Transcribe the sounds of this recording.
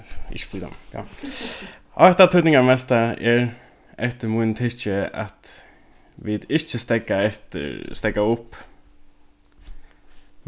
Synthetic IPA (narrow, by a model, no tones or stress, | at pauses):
ɪ̰ʃfliːd̪a̰mka̰ | ɔht̪at̪ʰut̪nɪŋamɛst̪aɛɹ | ɛft̪əmunt̪ʰɪt͡ʃəa̰t̪ | ʋɪd̪ɪt͡ʃəst̪ɛkaɛht̪ə̰st̪ɛkaʊp